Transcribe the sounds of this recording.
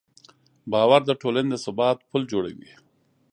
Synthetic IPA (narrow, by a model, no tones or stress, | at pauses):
bɑwaɾd̪əʈolaned̪əsabɑt̪pʰuld͡ʒoɽa̰wḭ